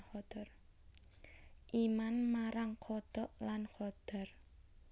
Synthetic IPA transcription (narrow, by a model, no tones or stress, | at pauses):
hɔd̪̥ɔr | ʔimanmaɾaŋkʰɔd̪̥ɔʔlankɔd̪̥ɔ̤r